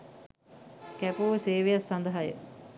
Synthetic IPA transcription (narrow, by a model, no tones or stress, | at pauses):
kæpuʋseːʋejasːɐnd̪əɦajə̰